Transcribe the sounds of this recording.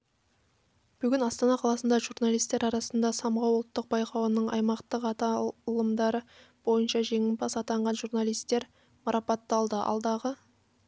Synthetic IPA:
b̥ʏɡʲɪnɑst̪ɑnɑqʰɑlˠɑsənd̪ɑʒurnɑlˠijst̪ːe̞ɾɑɾɑsənd̪ɑsɑmʁɑwʊlˠət̪ːəq̚bɑjqʰɑwənəɴɑ̰jmɑqt̪əqɑt̪ɑlˠəmd̪ɑɾə | b̥o̞jənʃɑʒe̞ŋʲɪnbɑsɑt̪ɑɴʁɑnʒurnɑlijst̪e̞ɾ | mɑɾɑpɑt̪ːɑlˠd̪əʔɑ̰lˠd̪ɑʁə

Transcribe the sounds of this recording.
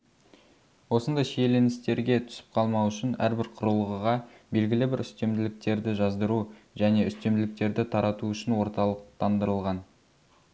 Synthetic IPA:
wo̞sənd̪ɑjʃejle̞nɪst̪e̞ɾɡʲe̞t̪ʰʏ̥sɪ̥p̚qʰɑlˠmɑwʏʃɪnæ̰ɾbɪɾqʰʊɾəlˠʁəʁɑ | be̞lɡʲɪlɪbɪɾʏst̪e̞md̪ɪlɪk̚t̪e̞ɾd̪ɪʒɑzd̪əɾu | ʒæne̞ʏst̪e̞md̪ɪlɪk̚t̪e̞ɾd̪ɪt̪ʰɑɾɑt̪uʏʃɪnwo̞ɾt̪ɑlˠəqt̪ɑnd̪əɾəlˠʁɑn

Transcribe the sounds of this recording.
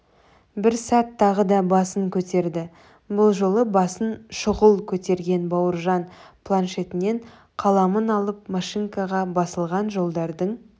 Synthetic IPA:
bɪɾsɑt̪ʰːɑʁəd̪ɑbɑsəŋkʲʰɵt̪e̞ɾd̪ɪ | bʊlˠʒo̞lˠəbɑsənʃʊʁəlˠkʲʰɵt̪e̞ɾɡʲe̞nbɑwəɾʒɑnpʰlˠanʃe̞t̪ɪne̞ɴ | qʰɑlˠɑmənɑlˠəp̚maʃiŋkɑʁɑbɑsəlˠʁɑnʒo̞lˠd̪ɑɾd̪əɴ

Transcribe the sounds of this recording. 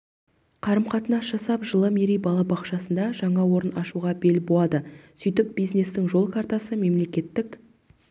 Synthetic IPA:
qʰɑɾəmqɑt̪ənɑsʒ̥ɑsɑpʒəlˠəmeɾijbɑlˠɑbɑqʃɑsənd̪ɑʒɑɴɑwo̞ɾənɑʃuʁɑbe̞lbolˠɑd̪əsʏjt̪ɪp̚bijzne̞st̪ɪŋʒo̞lˠkʰaɾt̪ɑsəme̞mle̞kʲe̞t̪ːɪk

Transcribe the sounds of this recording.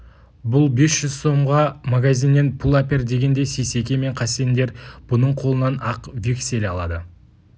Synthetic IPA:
bʊlˠbe̞sʒ̥ʏz̥so̞mʁɑmaɡazʲinːe̞npʰulˠapʲeɾd̪e̞ɡʲe̞nd̪e̞sese̞kʲe̞me̞ɴqʰɑsend̪e̞ɾb̥ʊnəɴqʰo̞lˠənɑnɑqvekʲse̞lʲɑlˠɑ̰d̪ə

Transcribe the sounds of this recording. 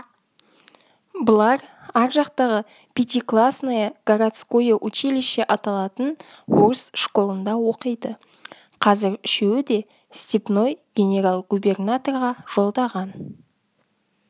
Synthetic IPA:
bəlˠɑɾɑɾʒɑqt̪ɑʁə | pʲʰet̪ʲijklˠasnajəɡ̥aɾat̪skojəʔɵt͡ʃelɪʃeʔɑt̪ɑlˠɑt̪ən | woɾsʃko̞lˠənd̪ɑwo̞qəjd̪ə | qʰɑzɪɾʏʃe̞wɪd̪e̞ | st̪ʲipno̞jɡʲe̞nʲe̞ɾalˠɡube̞rnat̪o̞rʁɑʒ̥o̞lˠd̪ɑʁɑn

